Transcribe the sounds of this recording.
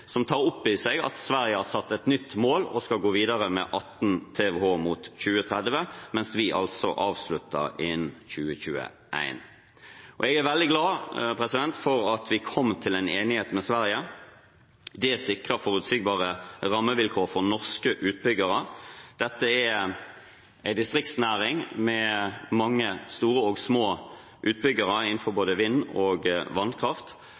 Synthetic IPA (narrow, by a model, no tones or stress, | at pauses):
sɔmt̪ʰɑːʁʊpːɪsɛɡɑ̰t̪sʋæʁɪjəhɑɾsɑt̪ːɛt̪nʏt̪ːmoːlɔ̰skɑɡoːʋiːd̪ɑʁəmɛ̰ʔɑt̪n̩t̪ʰeːʋɛhoːmuːt̪çʉːət̪ʰɾɛd̪ʋəmɛnsʋɪʔɑ̰lsɔ̰ʔɑːʋslʉt̪ːə̰ʁɪnçʉːəçʉːə̰ | ʔæ̰ɪn | ʔɔ̰ɛɡæɾʋɛld̪ɪɡlɑːpʰɾɛsɪd̪ɛnt̪fɔɾɑt̪ʰʋɪkʰɔmːt̪ʰɪlæɪneːnɪheːt̪mɛsʋæʁjə | d̪ɛsɪkʁəfɔʁʉt̪siːɡ̚bɑːʁəʁɑmːəʋɪlkʰoːʁfɔʁnɔʁskəʔʉːt̪̚bʏɡəʁəd̪̥ɛt̪ːəɛ | æɪd̪ɪst̪ʁɪk̚t̪snæːʁɪŋmɛmɑŋːəst̪uːʁəɔɡsmoː | ʔʉːt̪̚bʏɡəʁəɪnn̩fɔɾboːd̪əʋɪnːɔɡʋɑnkʰʁɑft̪